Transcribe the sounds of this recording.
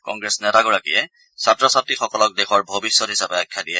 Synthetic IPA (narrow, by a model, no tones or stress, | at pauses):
kɔ̰ŋɡɹesnɛtaɡɔɹakḭjɛ | satɹɔsatixɔkɔlɔk̚dexʰɔɹbʱobisːɔtɦisapɛakʰːjadijɛ